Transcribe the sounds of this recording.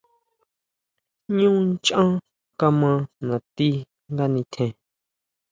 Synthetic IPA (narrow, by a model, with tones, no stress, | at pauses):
ɲũː˦nt͡ʃʔã˦ | ka˧mã˧nã˨t̪i˦ | ŋɡa˦nĩ˧t̪ʰẽ˧˨